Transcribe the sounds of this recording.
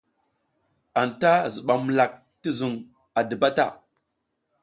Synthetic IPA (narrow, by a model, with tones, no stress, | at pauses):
a˨nta˦zə˨ɓa˨m˨la˨k̚ | ti˦zu˨ŋ | a˨də˨ba˦ta̰˦˨